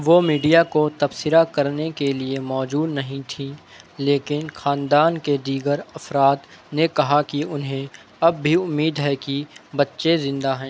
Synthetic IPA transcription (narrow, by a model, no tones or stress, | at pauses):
ʋomiːɖijakot̪ɐbsɪɾakɐɾnekeliemɔːd͡ʒuːd̪nɐɦĩt̪ʰĩ | leːkɪnxaːnd̪aːnked̪iːɡəɾɐfɾaːt̪nekɐɦakiʊnɦẽ | ɐbːʱiʊmːiːd̪ɦɛkibɐtːʃezɪ̃nd̪aɦɛ̃ː